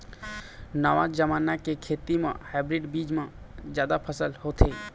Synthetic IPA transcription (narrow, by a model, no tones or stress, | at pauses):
nəʋãd͡ʒəmanakekʰet̪imḛ̃haɪbɾiɖbid͡ʒmẽd͡ʒjad̪apʰəsəlhot̪ʰe